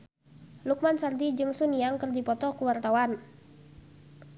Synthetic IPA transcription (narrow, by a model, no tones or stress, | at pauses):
luk̚mansardid͡ʒɨŋsuniaŋkərdipɔt̪ɔkuwart̪awan